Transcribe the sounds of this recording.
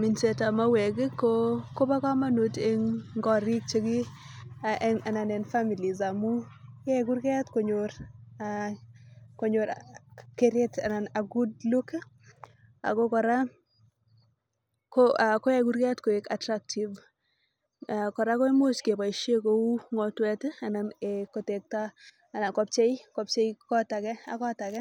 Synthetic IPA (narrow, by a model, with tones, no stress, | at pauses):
mi˨nse˨ta˨ma˦we˨ɡɪ˦ko˦ko˦ba˦ka˦ma˦nu˨te˦ŋŋɡɔ˦ɾi˦k̚t͡ʃe˦ɡi˦aɛ˦ŋa˨na˨nɛ˨nfa˦mi˨li˨za˨mu˦ɛ˦ɡu˦ɾɡe˦tko˨ɲo˨ɾa | ko˨ɲo˨ɾke˨ɾe˦ta̰˨na˨na˨ɡu˦d̚lu˦ke˦ | a̰˨ɡɔ˦kɔ˨ɾa˦ | koakɔ˦jɛ˨ɡu˦ɾɡɛ˦tko˨eka˨tɾak̚tʰi˨v | akɔ˨ɾa˦kɔ˦i˦mo˦ske˨pa˨i˨ʃe˦ko˨wu˦ŋɔ˨twɛ˦ta˨na˨neko˨te˨k̚taː˦˨ | na˨kɔ˦p̚t͡ʃe˦jkɔp̚t͡ʃe˦jkɔ˦ta˨kɛ˦a̰˨kɔ˦ta˨kɛ˦